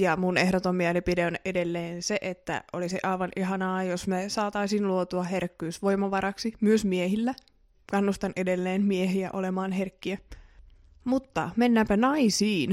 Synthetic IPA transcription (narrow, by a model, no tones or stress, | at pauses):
jɑmunehdot̪omːiælipideonʔedelːeːnseʔet̪ːæ̰ʔoliseʔɑiʋɑnʔiɦɑnɑːjosmesɑːt̪ɑisinluot̪uɑɦerkːyːsʋo̞imɑʋɑɾɑksimyøsmiehilːæ | kɑnːust̪ɑnʔedelːeːnmieɦiæ̰ʔolemɑːnɦerkːiæ | mut̪ːɑ̰menːæːmpænɑisiːn